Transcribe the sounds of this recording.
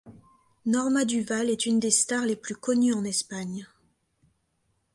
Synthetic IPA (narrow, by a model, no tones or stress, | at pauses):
nɔʁmad̪yvalɛt̪ynd̪est̪aʁleplykɔnyɑ̃nɛspaɲ